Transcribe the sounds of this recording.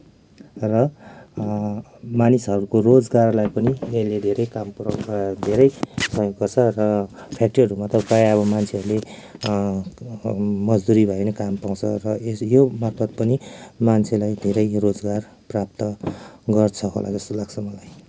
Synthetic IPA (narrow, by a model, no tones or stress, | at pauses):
rʌ | manisɦʌɾukorod͡zɡarlajpʌnieled̪ʱeɾʌjkamprd̪ʱeɾʌjsʌ̃jkʌrt͡sʰʌrʌpʰjak̚ʈiʌɾumat̪ʌkajʌβʌmant͡sʰeɦʌɾule | mʌd͡zd̪uɾibʱʌenʌkampaw̃t͡sʰʌrʌesjomat̪ʰʌd̪̚pʌnimant͡sʰelajd̪ʱeɾʌjrod͡zɡar | prap̚t̪ʌɡʌrt͡sʰʌɦo̰lʔa̰d͡zʌst̪olaɡ̚t͡sʰʌmʌlaj